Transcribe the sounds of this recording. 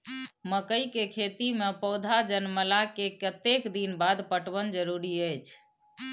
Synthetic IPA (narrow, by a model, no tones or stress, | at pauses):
məkəjkekʰet̪imepəʊd̪ʱad͡ʒənməlakekət̪ekd̪inbad̪pəʈʋənd͡ʒəɾuɾiəjt͡ʃʰ